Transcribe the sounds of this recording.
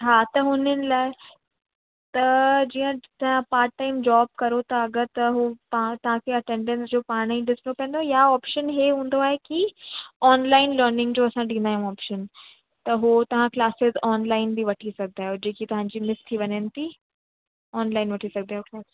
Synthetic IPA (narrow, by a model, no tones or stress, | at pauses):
ɦaːt̪ɐɦʊnənɪ̆laːɪ | t̪ɐd͡ʑiːə̃t̪ɐʋ̤ãpaːɾʈ̚ʈːaːɪmd͡ʑɔːb̚kɐɾot̪ɐɐɡəɾt̪ɐɦupãt̪ɐʋ̤ãkʰeɐʈẽːɳɖɛ̃nsd͡ʑoːpaːɽ̃iɖɪslopẽːnd̪ojaɔːpʃənɦeɦũːnd̪oaːɦekiɔːnlaːɪnlɐːɾnɪ̃ŋɡd͡ʑoːɐsãɗĩːnd̪aːɦjĩũɔːpʃən | t̪ɐɦot̪ɐʋ̤ãklaːsɪzɔːnlaːɪnbiʋɐʈʰisɐɡ̚ʱd̪aːɦjod͡ʑeːkit̪ɐʋ̤ãɲd͡ʑiːmɪst̪ʰːiʋɐɲənɪ̆t̪ʰi | ɔːnlaːɪnʋɐʈʰisɐɡ̚d̪aːjokɛ